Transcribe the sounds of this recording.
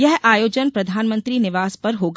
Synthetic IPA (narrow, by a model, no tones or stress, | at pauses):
jɛɦaːjoːd͡ʒənpɾɐd̪ʱaːnmə̃nt̪ɾinɪʋaːspɐɾɦoːɡ